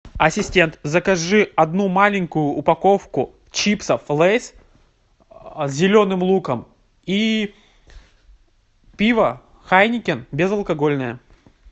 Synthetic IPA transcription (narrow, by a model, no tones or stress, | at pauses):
ɐsʲɪsʲtʲe̞nt̪zəkɐʐɨɐd̪numalʲɪŋʲkʊjʊʔːpɐko̞fkʊ | t͡ɕipsəflˠɛsʲ | zʲzʲɪlʲo̞nɨmlˠukəm | i | pʲivə | xajnʲɪkʲɪnbʲɪzɐlˠkɐɡo̞lʲnəjə